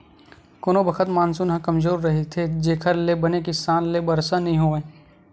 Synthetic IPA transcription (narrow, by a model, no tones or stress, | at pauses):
koːnobɐkʰət̪maːnsunɦãkɐmzoːɾːɐɦet̪ʰed͡ʒeːkʰəɾlebɐnekisaːnlebɐɾsanɐɦĩɦoːẽ